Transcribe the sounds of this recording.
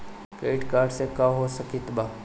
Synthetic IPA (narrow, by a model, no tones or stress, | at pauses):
keːʈkaːɾɖsekaɦosəkit̪ba